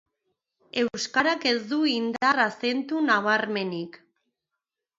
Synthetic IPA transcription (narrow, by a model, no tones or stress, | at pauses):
e̞wskaɾake̞zd̪uind̪arase̞nt̪unaβ̞aɾme̞nik